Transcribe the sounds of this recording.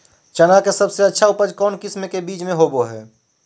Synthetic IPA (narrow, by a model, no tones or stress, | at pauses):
t͡ʃənakesɐbseɐtːʃʰaʊpəd͡ʒkɔːnkɪsmekebiːt͡ʃmẽɦoboɦɛː